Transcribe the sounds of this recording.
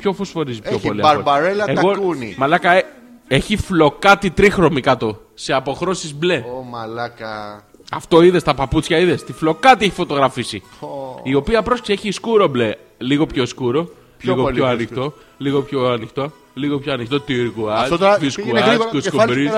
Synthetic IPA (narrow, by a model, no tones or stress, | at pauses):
pço̞fosfo̞ɾizipçopliɐɐɾbɐɾelɐeɣo̞unḭmɐlɐkɐ | e̞çiflo̞kɐt̪it̪ɾixɾo̞mikɐt̪o̞ | seɐpo̞xɾo̞sizble̞mɐlɐkɐ | ɐft̪o̞iðe̞st̪ɐpɐput͡sçɐiðe̞st̪iflo̞kɐt̪ieçi̥fo̞t̪o̞ɣɾɐfisiio̞piɐpɾo̞sci̥seçiskuɾo̞ble̞ | liɣo̞pço̞skuɾo̞ | liɣopçoɐnixt̪o̞ | liɣo̞pçoɐnixt̪o̞ | liɣo̞pçoɐnixt̪ot̪iɾkuɐoviskuɐkuskoɾi